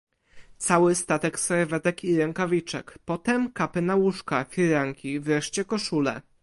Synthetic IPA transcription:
t̪sawɘst̪at̪ɛksɛɾvɛt̪ɛkiɾɛŋkavʲit͡ʂɛ̰kpɔt̪ɛmkapɘnawuʂkafʲiɾaŋkʲivɾɛʂt͡ɕɛkɔʂulɛ̰

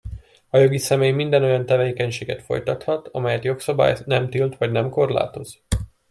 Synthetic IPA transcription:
ɒjo̞ɡisɛmeːjmind̪ɛno̞jɒnt̪ɛveːkɛɲʃeːɡɛt̪fo̞̰jt̪ɒt̪hɒt̪ɒmɛjɛt̪jo̞ksɒba̰ːjnɛmt̪ilt̪ʋɒɟnɛmko̞rla̰ːt̪o̞z

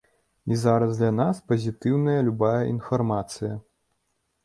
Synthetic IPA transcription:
izaɾɐzd̪lʲɐnaspɐzʲit̪ɨwnɐjɐlʲubajɐʔinfarmat̪sɨjɐ

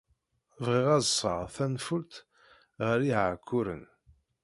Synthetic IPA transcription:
vʁiʁæzsˤə̰ʁθænfʊlt̪ | ʁəɾiʕkʰːʊɾə̰n

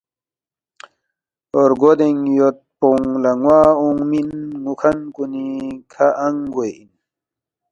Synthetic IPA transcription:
oɾɡod̪eŋjot̪̚poŋlɐŋwaːuŋminŋukʰɐnkunikʰaʔɐŋɡojin

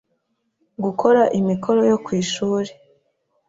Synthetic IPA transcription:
ɡukʰo̞ɾaʔimikʰo̞ɾo̞jo̞kwiːʃuːɾe

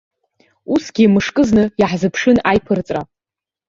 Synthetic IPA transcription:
usɡ̥ʲimɨʂkʼɨznɨjaħzɨpʰʂɨnajpʰɨrt͡sʼra

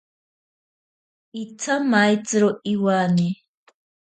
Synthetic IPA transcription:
it͡sʰamajt͡sʼɾoiwani

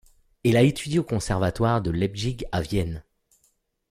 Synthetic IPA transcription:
ɛlaet̪ʰyd̪iokɔ̃sɛʁvat̪waʁd̪əlɛbʒiɡavjɛn

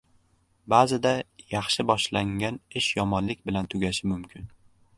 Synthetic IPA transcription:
bazɪd̪ajɑχʃɪbɒʃlaŋɡʲanɪʃjɒmɒnlɪkʲbɪlant̪ʰʊɡʲaʃɪmʊmkʲʰɪn

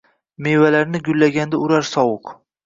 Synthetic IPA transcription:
mevalaɾnɪɡʲʊlːaɡʲand̪aʊɾaɾsɒwʊq

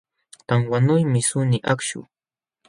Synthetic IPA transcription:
t̪aŋwanʊjmɪsʊnɪʔakʃʊ̰

